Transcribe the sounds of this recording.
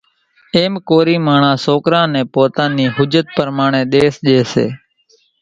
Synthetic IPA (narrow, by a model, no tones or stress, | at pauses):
eːmkoːɾiːmaːɳãːsoːkɾãːnẽːpoːt̪ãːniːɦʊd͡ʒət̪̚pəɾmaːɳẽːɗ̪eːsʄeːsḛː